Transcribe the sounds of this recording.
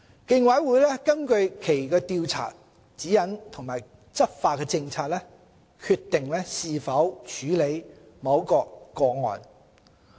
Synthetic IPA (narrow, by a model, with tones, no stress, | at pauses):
kɪ˧ŋwɐ˨˥jwuː˨˧jlɛ˥kɐ˥nkɵ˧ɥkʰe˨˩jkɛː˧t̪iː˧wt͡sʰa̰ː˨˩t̚ | t͡siː˨˥jɐ˨˥nt̪ʰʊ˨ŋmaː˨˩j | t͡sɐ˥t̚faː˧t̚kɛː˧t͡sɪ˧ŋt͡sʰaː˧t̚lɛː˥ | kʰyː˧t̪ːɪ˨ŋlɛː˥siː˨˧fɐ˨˥wt͡ʃʰyː˨˥le˨˧j | mɐ˨˧˥wkɔː˧kkɔː˧ŋɔ̰ː˨˧n